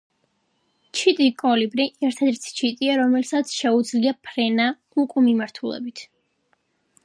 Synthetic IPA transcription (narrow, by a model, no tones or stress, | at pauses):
t͡ʃʰit̪ʼikʼɔlibɾiʔɛɾt̪ʰɛd̪ɛɾt̪sʰi̥t͡ʃʰit̪ʼiaɾɔmɛlsat̪sʰʃɛud̪zliapʰɾɛna | ukʼumimaɾt̪ʰulɛ̰bit̪ʰ